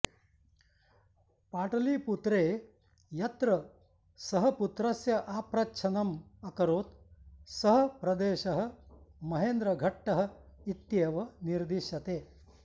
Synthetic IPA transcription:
paːʈɐliːput̪ɾeː | jɐt̪ɾɐ | sɐɦɐput̪ɾɐsjɐʔaːpɾɐt͡ʃʰɐnɐmɐkɐɾoːt̪sɐɦɐ̆pɾɐd̪eːʃɐɦɐ̆mɐɦeːnd̪ɾɐɡʱɐʈːɐɦɐ̆it̪jeːʋɐniɾd̪iʃɐt̪eː

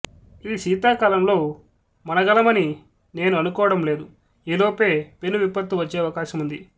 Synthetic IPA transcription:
iːʃiːt̪aːkaːlɐmlo̞ː | mɐnɐɡɐlɐmɐni | ne̞ːnuɐnukɔːʋɐɽɐmle̞ːd̪u | iːloːpe̞ːpe̞nːuʋipːɐt̪uʋɐt͡ʃːeːɐʋɐkaːʃɐmund̪i

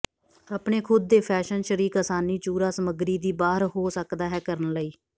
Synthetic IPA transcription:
aːpɳeːkʰʊd̪̚ːeːpʰɛːʃənʃəɾiːkəsaːniːt͡ʃuːɾaːsəməɡɾiːd̪iːbaːɦəɾɦoːsəkd̪aːɦɛːkəɾənləiː

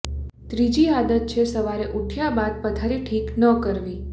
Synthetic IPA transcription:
t̪ɾid͡ʒiad̪ət̪̚t͡ʃʰesəʋaɾeʔuʈʰjabad̪̚pət̪ʰaɾiʈʰiknəkəɾʋi

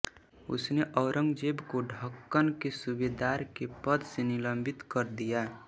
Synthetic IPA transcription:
ʊ̰sneʔəʊɾə̃ŋɡd͡ʒeːbkoɖʱəkːənkesubed̪aːɾkepəd̪ʱsenɪləmbʱɪt̪kəɾd̪ijaː

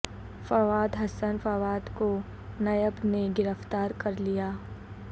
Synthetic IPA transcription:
fɐʋaːd̪ɦɐsənfɐʋaːd̪ko | nɐjəbneɡɪɾəft̪aːɾkɐɾlijaː

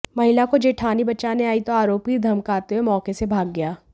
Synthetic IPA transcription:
mɐɦɪlakod͡ʒeːʈʰaːnibɐt͡ʃaːneaːit̪oaːɾoːpid̪ʱɐmkaːt̪eɦemɔːkesebʱaːɡːɐjaː

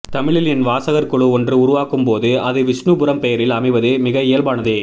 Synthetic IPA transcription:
t̪ɐmɪɭɪlɛnʋaːsɐɣɐɾkɔɭɯɔndrɯʊɾʊʋaːkɯmpoːðɯɐðɯʋɪʂɳubʊɾɐmpɛjɐɾɪlɐmɐɪʋɐðɯmɪɣɐɛjɐlbaːnɐðe

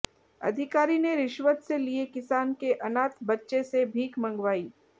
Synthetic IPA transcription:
ɐ̰d̪ʱɪkaːɾineɾɪʃʋət̪seliekɪsaːnkeʔɐnaːt̪bɐtːʃesebʱiːkmɐ̃ŋɡʋaːiː

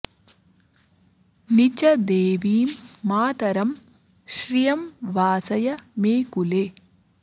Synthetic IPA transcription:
nit͡ʃɐd̪eːʋiːmːaːt̪ɐɾɐm | ʃɾijɐmʋaːsɐjɐmeːkuleː

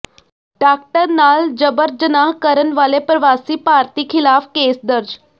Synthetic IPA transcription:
ɖaːk̚ʈəɾnaːld͡ʒəbəɾd͡ʒənaːɦkəɾənʋaːlepɾəʋaːsipaːɾt̪ikʰɪlaːfkeːsd̪əɾd͡ʒ

